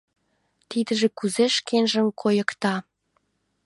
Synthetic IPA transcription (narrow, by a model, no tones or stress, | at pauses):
t̪id̪ə̆ʒĕkuzeʃkenʒə̆mkʰojə̆kt̪ɑ